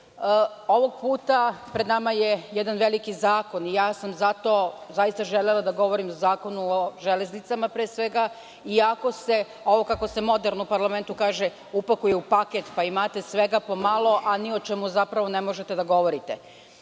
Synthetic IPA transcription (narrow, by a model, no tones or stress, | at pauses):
o̞ʋo̞ɡ̚puːt̪apɾed̪namajejɛd̪anʋe̞likizaːko̞nijaːsamzat̪o̞ːzajist̪aʒelelˠad̪aɡo̞ʋo̞ɾimozaːko̞nuoʒeleznit̪samapɾeːsʋeɡa | iako̞se | o̞ʋokako̞se̞mo̞d̪eɾnupaɾlˠame̞nt̪ukaːʒe | upakujeupaket̪paimat̪esʋe̞ɡapo̞malˠo̞ʔanio̞t͡ʃɛmuzapɾaʋo̞nemo̞ʒet̪e̞d̪aɡo̞ʋo̞ɾit̪e̞̰